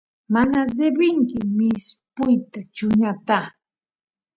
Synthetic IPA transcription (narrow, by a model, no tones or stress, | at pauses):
manad̪ebɪŋkɪmɪspʊjt̪at͡ʃʊɲat̪a